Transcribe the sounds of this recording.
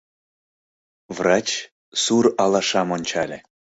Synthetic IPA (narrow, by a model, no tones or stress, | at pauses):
vrɑt͡ɕ | suɾɑlˠɑʃɑmonʲt͡ɕɑlʲĕ